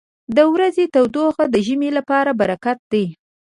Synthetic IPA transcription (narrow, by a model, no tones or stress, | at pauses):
d̪əwɾazet̪awd̪oxad̪əʒəmelapɑɾabaɾakat̪̚d̪aj